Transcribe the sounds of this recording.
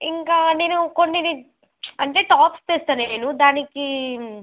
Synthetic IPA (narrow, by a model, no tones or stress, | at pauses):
iŋkaːne̞ːnukonːi | ɐɳʈe̞ːʈaːpst͡ʃ̪eːst̪aːneːnud̪aːniki